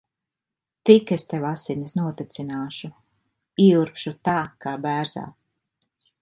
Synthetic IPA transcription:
t̪ikest̪ewasinisnuɔt̪et̪sinaːʃu | iːuɾpʃut̪aːkaːbæːɾz̥a̰ː

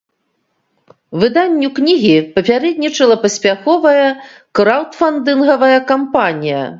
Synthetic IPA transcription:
vɨd̪anʲːuknʲiɣʲipɐpʲaɾɛd̪̚ʲnʲit͡ʂɐlˠɐpɐsʲpʲaxɔvɐjɐ | kɾawt̪fand̪ɨnɣɐvɐjɐkampanʲijɐ̰

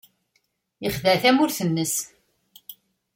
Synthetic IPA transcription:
əχðæθæmʊɾθənːəs

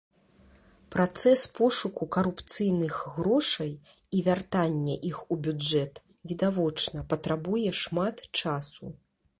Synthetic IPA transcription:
pɾat̪sɛspɔʂukukɐɾupt̪sɨjnɨɣɣɾɔʂɐj | ivʲart̪anʲːɛʔixubʲud͡ʐɛt̪ | vʲid̪avɔt͡ʂnɐpɐt̪ɾabujɛʂmat̪t͡ʂasu

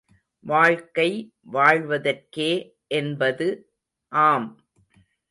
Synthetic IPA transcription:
ʋaːɻkɐɪ | ʋaːɻʋɐðɐrkeː | ʔɛnbɐðɯ | ʔaːm

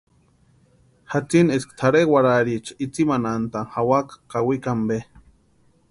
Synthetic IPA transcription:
hat͡sineskt̪ʰaɾewaɾaɾit͡ʃʰḁit͡simanant̪aŋhawakḁkawikambe

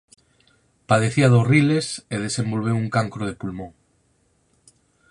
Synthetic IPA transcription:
pað̞eθiaðorileseð̞esẽmbolβ̞ewuŋkaŋkɾoð̞epulmõŋ

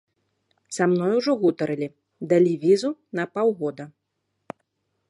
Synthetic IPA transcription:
samnɔjuʐɔɣut̪ɐɾɨlʲi | d̪ɐlʲivʲizunɐpawɣɔd̪ɐ

